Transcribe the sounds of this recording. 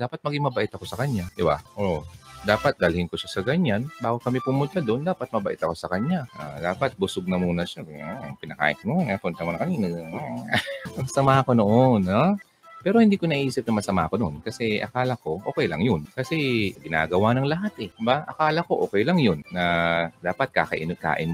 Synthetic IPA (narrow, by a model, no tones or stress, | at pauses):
d̪aːpɐt̪̚mɐɡɪŋmɐbɐʔɪt̪ɐko̞sɐkɐɲːad̪ɪba̰ʔod̪aːpɐt̪̚ɡ̪ɐlhɪnkoʃasɐɡɐɲːanbaːɡokɐmɛpʊmʊnt̪ad̪o̞nd̪aːpɐt̪̚mɐbɐʔɪt̪ɐko̞sɐkɐɲaʔa̰d̪aːpɐt̪̚bʊsoɡ̚nɐmuːnɐʃakɐja̰pɪnɐka̰ːʔɪt̪muapʊnt̪ɐmuːnɐkɐninɐɡ | mɐɡsɐmaːkonoʔonːo | pɛːɾo̞hɪnd̪iːkonɐʔiːsɪp̚nɐmɐsɐma̰ːko̞nonkɐsɛʔɐ̰kaːlɐko̞ʔoːkɛjlɐ̰ŋjonkɐsɛɡɪna̰ːɡɐwaːnɐŋlɐɦat̪ɛɪbaʔɐkaːlɐko̞ʔoːkɛjlɐŋjonːɐd̪aːpɐt̪̚ka̰kɐ̰ʔɪnka̰ːʔɪn